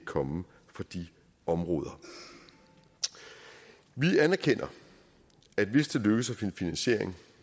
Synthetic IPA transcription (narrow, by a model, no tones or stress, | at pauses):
kʰɒ̽mə | fɒ̽d̥i | ɒ̽mʁɔːð̞ˠɐ | ʋiænæɐkʰen̰ɐ | æd̥ʋe̝sd̥e̝løɡ̥əsæfinfinænɕe̝ɐ̰eŋ